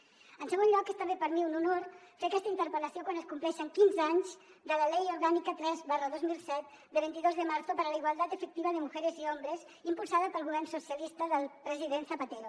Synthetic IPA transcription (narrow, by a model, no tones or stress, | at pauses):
ənsəɣ̞onʎɔkest̪əmbepəɾmiununoɾfeɐkɛst̪əint̪əɾpələsiokwanəskumplɛʃəŋkinzaɲzd̪ələlɛjuɾɣanikət̪ɾɛzβarəðozmilˠsɛt̪̚ | d̪əβint̪iðozðəmaɾsopəɾələiɣwalˠt̪at̪əfək̚t̪iβəðəmuɣɛɾəziɔmbɾəz | impulˠsaðəpəlˠɣuβɛrnsusiəlist̪əðəlˠpɾəziðensəpat̪eɾo